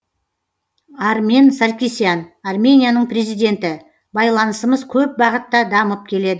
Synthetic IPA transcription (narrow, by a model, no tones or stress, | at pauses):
armʲe̞nsaɾʲkʲisijanarmʲe̞nʲijanəɴpre̞zijd̪ʲe̞nt̪ɪ | bɑjlˠɑnəsəməzkʲʰɵp̚bɑʁət̪ːɑd̪ɑməp̚kʲʰe̞le̞d̪ɪ